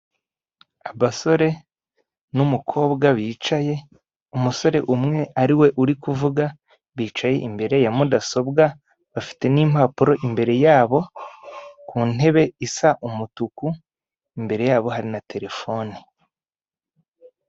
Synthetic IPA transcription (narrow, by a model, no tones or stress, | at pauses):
aβaso̞ɾe̞ | numukʰo̞ːbɡaβiːt͡ʃaje̞ | umuso̞ɾe̞ʔumŋe̞aɾiwe̞ʔuɾikuvuɡa | βiːt͡ʃaje̞̰ʔimbe̞ɾe̞jamudaso̞bɡa | βafi̥te̞nim̥haːpuɾo̞ʔimbe̞ɾe̞jaːβo̞ | kuːne̞βe̞isaʔumutuku | imbe̞ɾe̞jaːβo̞ɦaɾinatʰe̞ɾe̞fo̞ni